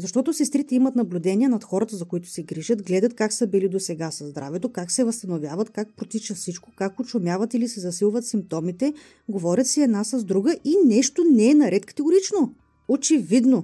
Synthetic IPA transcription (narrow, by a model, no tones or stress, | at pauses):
zɐʃt̪ɔt̪osɛst̪ɾit̪ɛimɐt̪nɐblʲʊd̪ɛnʲiɛnɐt̪xɔɾɐt̪əzɐkoit̪ʊ̥sɛɡɾiʒət̪ɡlɛd̪ət̪̚kaksɐbilid̪osɛɡasɐzd̪ɾʔa̰vɛt̪okaksɛvɐst̪ɐnovʲjavɐt̪kak̚pɾot̪it͡ʃəfsit͡ʃkokakʊt͡ʃomʲjavɐt̪ilisɛzɐsilˠvɐt̪simp̚t̪ɔmit̪ɛ | ɡovɔɾʲət̪siɛd̪nasɐzd̪ɾuɡəʔinɛʃt̪onɛːnɐɾɛt̪kɐ̥t̪ɛɡoɾit͡ʃno | ot͡ʃɛvid̪no